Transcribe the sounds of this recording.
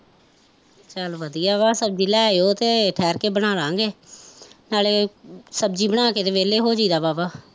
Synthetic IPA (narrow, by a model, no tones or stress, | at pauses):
t͡ʃəlʋəd̪ijaːβaːsəb̚d͡ʒiːlɛːoːt̪eːʈʰɛːɾkeːbəɽaːlãːŋɡeː | naːleːsəb̚d͡ʒiːbəɽ̃aːkeːt̪eːʋeːleːɦoːd͡ʒiːd̪aːbaːbaː